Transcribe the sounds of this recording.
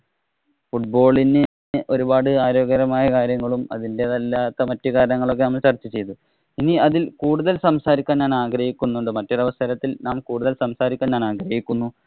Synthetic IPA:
fuʈ̚bo̞ːɭine | ʔo̞ɾubaːɽɨaːɾo̞ːɡɐɾɐmaːjɐkaːɾjɐŋːɐɭumɐ̰ðinde̞ðɐlːaːt̪ːɐmɐtːukaːɾɐnɐŋːɐɭo̞k̬ːe̞nɐmːɐɭt͡ɕɐrt͡ɕːit͡ɕe̞jt̪u | iniɐðilkuːɽuðɐlsɐmsaːɾikʲːaːnɲaːnaːɡrɐhikʲːunːuɳɖɨmɐtːoɾɐʋɐst̪ɐɾɐt̪ːilnaːmkuːɽuðɐlsɐmsaːɾikʲːaːnːaːnaːɡɾɐhikʲːunːu

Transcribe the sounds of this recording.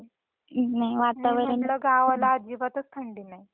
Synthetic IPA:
najʋat̪aʋəɾinləɡaʋalaːd͡ʑibat̪ət͡skʰəɳɖiːnai

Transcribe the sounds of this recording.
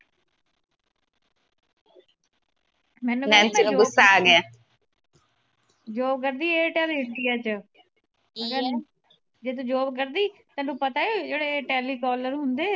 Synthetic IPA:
mɛ̃ːnũnɛ̃ːnsinũɡʊsːaːaːɡɪaː | d͡ʒoːbk̬əɾd̪iːeːʈɛːliːɦʈːijaːt͡ʃə | məɡəɾ | d͡ʒeːt̪̬ũːd͡ʒoːbk̬əɾd̪iːt̪ɛːnũːpət̪aːeːd͡ʒeːɽeːʈɛːliːkɔːləɾɦʊnd̪eː

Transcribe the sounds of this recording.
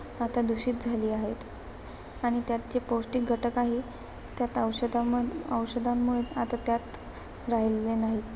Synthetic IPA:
at̪ad̪uɕiːt̪̚d͡zʱaliːaɦet̪ | aɽ̃it̪jat̪̚d͡ʑepowsʈik̚ɡʱəʈəkaɦe | t̪jat̪əwɕəd̪aəʋɕəd̪ʱamːuɭeat̪at̪jat̪ | ɾaɦillenaɦit̪

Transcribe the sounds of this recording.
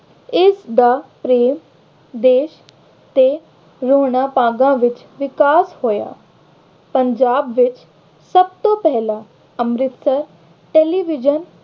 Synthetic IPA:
ɪsd̪aːpɾeːm | d̪eːʃ | t̪e | ɾoːɽ̃aːpaːɡãːʋɪt͡ʃ | ʋɪkaːshoːja̰ː | pəɲd͡ʒaːbʋɪt͡ʃ | səb̚t̪oːpɛɦlãː | əmɾɪt̪səɾ | ʈeːliːʋɪd͡ʒən

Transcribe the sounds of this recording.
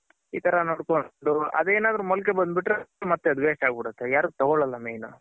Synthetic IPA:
iːt̪ɐɾɐnoːɽkoɖuɐ̰d̪eːnaːd̪ɾumɔlkebɐnd̪̚biʈːɾemɐt̪ːeɐd̪uʋeːsʈaːɡbiɽut̪ːejaːɾuɡt̪ɐɡɔɭɐlːɐmejnu

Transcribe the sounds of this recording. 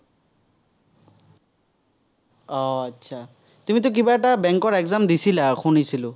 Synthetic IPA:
ɔatːsʰa | tumit̬ʊk̬ibaɛtabɛŋkɔɹɛɡzamd̪isilaxʰunisilʊ

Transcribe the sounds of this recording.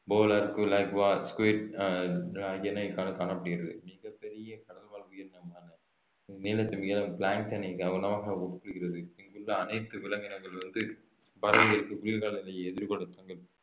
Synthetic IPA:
boːlaɾkːɯlɐɪkʋaːskeːʈ | laːjɐnɐkaːnɐkaːnɐpːɐɽɪɣɪɾɐðɯ̰mɪɣɐpːɛɾɪjɐkɐɽɐlʋaːɭkɯjɪɾnːɐmaːnɐ | niːlɐt̪ːɪmɪɣɐlɐpɭaːŋkt̪ɐnɪkːɐʋɐnɐmaːɣɐʊɽkːɽɯkɪɾɐðɯɪŋɡɯɭːɐɐnɐɪt̪ːɯʋɪlɐŋɡɐnɐŋɡɐɭʋɐnd̪ɯ | bɐɾɐʋɐɣɐɭɯkːɯkʊɾɪjɐkaːɭɐnɪlɐjɛðɪɾkɔɳɯt̪ːɐŋɡɐɭ

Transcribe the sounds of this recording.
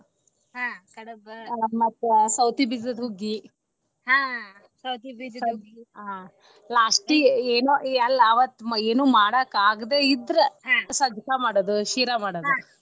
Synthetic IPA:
ɦãːkɐɽɐbmɐt̪ːsɐwt̪ibid͡ʒɐd̪ɦuɡːi | ɦãː | sɐwt̪ibid͡ʒsɐuɡiɦa | laːsʈieːnoɐlːɐːʋɐt̪ːeːnuːmaːɽɐkaːɡd̪eːid̪ɾɐɦãsɐd͡ʒ̪ʱkamaːɽod̪uʃiːɾamaːɽou

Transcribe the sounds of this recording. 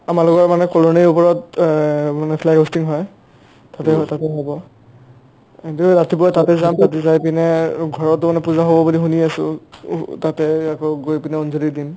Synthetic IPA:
amalʊkɔɹmanɛkɔloneupɔɹɔt | manɛpʰlɛɡɦostiŋɦɔj | tatɛtatɛɦɔbɔ | kintuɹatibɔatatɛzamtatɛzajpinɛɡʱɔɹɔtːʊmanɛpuzaɦobɔbulixuniasʊ̰ | tatɛakɔɡojpinɛonzʱolidim

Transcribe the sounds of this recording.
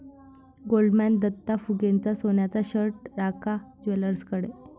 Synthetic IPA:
ɡolɖmænd̪ət̪ːafuɡent͡sasonjat͡saɕəɾʈɾakʰad͡ʑʋeləɾskəɽe

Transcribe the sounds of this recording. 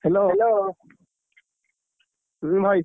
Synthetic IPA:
heloloː | bʱaj

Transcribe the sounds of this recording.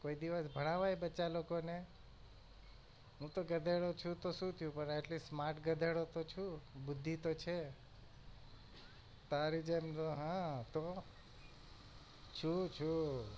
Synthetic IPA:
koid̪iʋəsbʱəɽ̃aʋajbət͡ʃalokone | ɦũt̪oɡəd̪ʱeɽot͡ʃʰũt̪oʃũt̪ʰjũpəneʈlissmaɾʈɡəd̪ʱeɽot̪ot͡ʃʰubʊd̪ʱːit̪ot͡ʃʰe | t̪aɾid͡ʒemt̪oɦãt̪o | t͡ʃʰut͡ʃʰu

